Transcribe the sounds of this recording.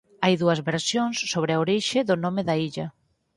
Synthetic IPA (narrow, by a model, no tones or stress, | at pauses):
ajðuɐzβeɾsjoŋsːoβɾɪaoɾiʃɪðʊnomɪðɐiʎɐ